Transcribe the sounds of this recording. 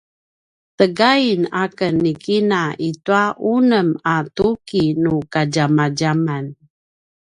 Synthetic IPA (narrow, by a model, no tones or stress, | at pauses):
təɡainakənːikinaʔituaʔunəmatukinukaɟamaɟaman